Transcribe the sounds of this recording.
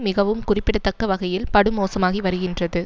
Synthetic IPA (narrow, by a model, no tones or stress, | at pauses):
mɪɣɐʋɯmkʊrɪpːɪɽɐt̪ːɐkːɐʋɐɣɐjɪlpɐɽɯmoːsɐmaːɣiʋɐɾɯɣɪndrɐðɯ